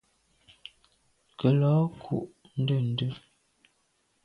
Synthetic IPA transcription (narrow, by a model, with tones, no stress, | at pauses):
kə˨lɔ˨˦kʰṵ˨ʔ | n̩˦də˦˨n̩˨˦də˦˨